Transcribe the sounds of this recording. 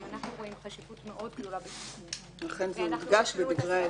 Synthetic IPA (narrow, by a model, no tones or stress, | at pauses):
anaχnuʁoimχaʃivut̪meʔod̪̚ɡd̪o̞labes | laχe̞nzemiʁɡaʃbebiɡʁe